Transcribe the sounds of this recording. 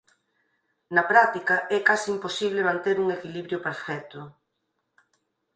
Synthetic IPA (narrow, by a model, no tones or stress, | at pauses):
nɐpɾat̪ikɐʔɛkasiːmposiβlemãnt̪eɾuŋekiliβɾjopeɾfɛt̪ʊ